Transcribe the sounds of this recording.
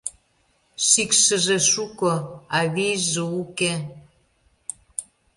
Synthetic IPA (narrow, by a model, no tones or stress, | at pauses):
ʃikʃə̆ʒeʃukoɑβiʒəuke